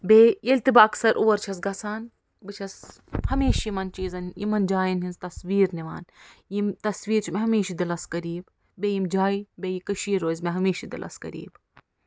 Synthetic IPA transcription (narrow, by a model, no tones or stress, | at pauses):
bejɐlʲt̪ibaɐksɐɾʔoːɐɾt͡ʃʰɐsɡɐsaːn | bɨt͡ʃʰɐs | hɐmeːʃjimɐnt͡ʃiːzɐnjḭmɐnd͡ʒaːjinɦinzt̪ɐsʋiːɾniʋa̰ːnjimt̪ɐsʋiːɾt͡ʃʰimeɦɐmeːʃid̪ilɐskɐɾiːb | bejimd͡ʒaːibejikɐʃiːɾoːzʲmeɦɐmeːʃid̪ḭlʔɐ̰skɐ̰ɾḭːb